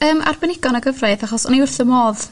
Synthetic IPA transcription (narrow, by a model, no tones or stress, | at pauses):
əːmʔa̰rbɛnɪɡɔnəɡəvreɨðaχɔsɔniʊrθəmoːð